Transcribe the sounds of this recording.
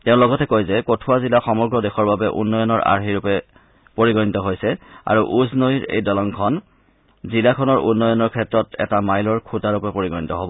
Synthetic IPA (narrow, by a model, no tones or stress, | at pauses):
tɛʊ̃lɔɡɔtɛkojzɛkotʰuazilaxɔmɔɹɡɹɔdexɔɹbabɛʔṵnːɔjɔnɔɹʔa̰ɹxiɹupɛ | poɹiɡɔnitɔɦojsɛa̰ɹuʔuznojɹḛjdɔlɔŋkʰɔn | zilakʰɔnɔɹʔṵnːɔjɔnɔɹkʰɛtɹɔtɛ̰tamajlɔɹkʰutaɹupɛpoɹiɡɔnitɔɦobɔ